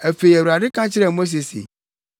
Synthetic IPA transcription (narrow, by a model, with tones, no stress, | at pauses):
æ˨fe˨i˨æ˨wu˨ɾa˨dɪ˦kã˦t͡ɕʰɪ˦ɾɛ˦˨mo˦s̬e˨sḛ˨